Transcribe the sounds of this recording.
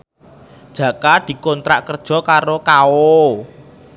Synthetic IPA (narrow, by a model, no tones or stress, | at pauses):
d̥ʒ̥ä̤kad̪̥i̤kɔnt̪ɾa̰ʔkərd̥ʒ̥ɔ̤kaɾokao